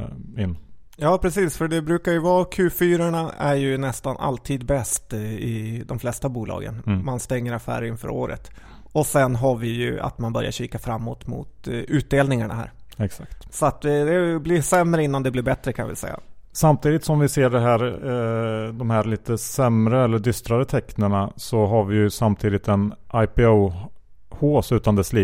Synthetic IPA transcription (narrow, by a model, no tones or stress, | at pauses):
ɪnː | jɑːpʰɾɛsiːsfœɖɛbɾʉːkajɵvɑːkʰʉ̟ːfyːɾaɳaæɾjɵnɛst̪anʔa̰lt̪ʰiːd̪bɛst̪ɪd̪ɔmflɛst̪abuːlɑ̰ːɡə̰nmanst̪ɛŋːəɾafæ̰ːɾɪnfœ̰ːɾoːɾə̰t̪ | ɔsɛnɦaɾvɪjɵ̰a̰t̪manbœɾja̰ɕiːkafɾamːoːt̪mʊ̰t̪ʉ̟ːt̪̚d̪eːlnɪŋaɳa̰ɦæ̰ːɾɛksakt̪sɔat̪̚d̪ɛd̪ɛblɪʂɛmːɾəɪnːand̪ɛblɪɾbɛt̪ɾəkʰanvɪ̰lsɛ̰jːa̰samt̪ʰiːd̪ɪt̪sɔmvɪseːɖɛɦæːɾ | d̪ɔmhæɾliːt̪əsɛmɾəɛlːəɖ̪ʏst̪ɾaɾət̪ʰɛknəɳasɔɦaɾvɪjɵsamt̪ʰiːd̪ɪt̪ɛnʔajpɪo | hoːsʉ̟ːt̪and̪ɛsliː